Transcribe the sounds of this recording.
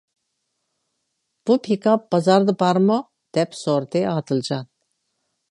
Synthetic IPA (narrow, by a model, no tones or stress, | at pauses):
b̥upʰikap̚bazaɾd̪ɨbaɾmɔ | d̪̥ɛpʰsɔɾd̪ɛad̪ɯld͡ʒan